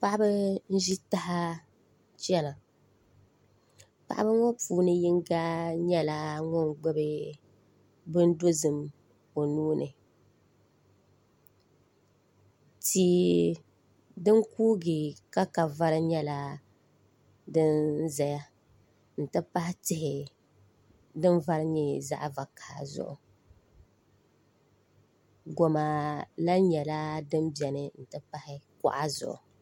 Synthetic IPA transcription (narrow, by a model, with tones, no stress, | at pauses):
pa˦ʔa˦bɨ˦n̩˦ʒi˦ta˦ɦa˦ | t͡ʃɛ˦la˨ | pa̰˨ʔa˦bɨ˦ŋɔ˦puː˨˦nɨ˦ji˦ŋ˦ɡaː˦ɲɛ˦la˨ŋɔ˦ŋɡ͡bo˦bɨ˦ | bɨ˦n˦do˦zɨ˨m | o˨nuː˦nʔɨ˨ | tiː˨ | dɨ˦ŋkuː˦ɡɪ˨ka˦ka˨va˦ɾɨ˦ɲɛ˦la˦ | dɨ˦nzɛ˨ja˦ | n̩˨tɨ˦pa˦hɪ˦tɪ˦hɪ˨ | dɨ˦n˦va˦ɾɨ˦ɲɛ˦za̰˦ʔva˨kaː˨zʊ̰˦˨ʔʊ̰˨ | ɡo˨ma˨la˦ɲɛ˨la˦dɨ˦m˦bjɛ˨nɨ˨n̩˨tɨ˦pa˦hɪ˦ka̰˦ʔa˦zʊ̰˨ʔʊ̰˨